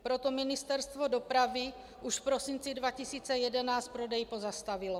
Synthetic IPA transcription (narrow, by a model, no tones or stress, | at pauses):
pɾot̪ominist̪ɛɾst̪vodopɾavi | uʃfpɾosint͡sidvacisiːt͡sɛjɛdɛnaːst̪̚pɾodɛjipozast̪avilɔ